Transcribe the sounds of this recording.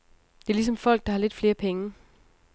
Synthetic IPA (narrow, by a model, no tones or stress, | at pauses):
d̥e̝ɐlis̬ɒ̽mfɒ̽l̰ɡ̥̚d̥ɑ̈hɑ̈le̝d̥fle̝ːɐpʰeŋə